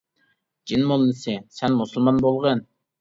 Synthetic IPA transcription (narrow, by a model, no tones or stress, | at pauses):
d͡ʒinmolˠːɪsɨsɛnmusulˠmɑnbolˠʁən